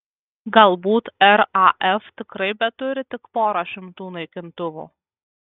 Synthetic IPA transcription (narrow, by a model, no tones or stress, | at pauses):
ɡɐlˠbuːt̪ɛɾɑʔɛft̪ʲɪkɾɐɪbʲɛt̪ʊɾʲɪt̪ʲɪkpoːɾɐʃʲɪmt̪uːnɐɪkʲɪnt̪ʊʋṵː